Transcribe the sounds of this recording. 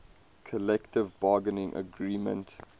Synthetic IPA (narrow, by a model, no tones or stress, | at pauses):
kʰəlɛktɪvbɑːɡənɪ̃ŋʔə̰ɡɹiːmə̰̃nt